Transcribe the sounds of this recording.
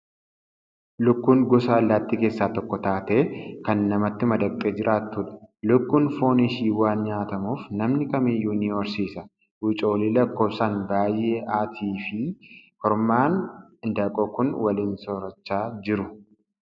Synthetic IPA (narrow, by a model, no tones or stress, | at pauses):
lʊkːuːŋɡɔsɐːlːaːt̪ːiːke̞ːsːaːt̪ɔkːɔt̪aːt̪e̞ːkɐnːɐmɐt̪ːɪmɐd̪ɐkt̪ʼːeːd͡ʒɪɾʔaːt̪ːuːᶑɐ̥lʊkːuːnfo̞ːniʃiːwaːnɲaːt̪ɐmuːfnɐmnɪkɐmɪjːuːniːɔɾsiːsɐ | wɪt͡ʃʼo̞ːliːlɐkːo̞ːbsanbaːjːe̞ːʔaːt̪ʰiːfɪhɔɾmaːnɪnd̪ɐkʼɔkʊnwɐliːnsɔɾɐt͡ʃːaːd͡ʒɪɾʊ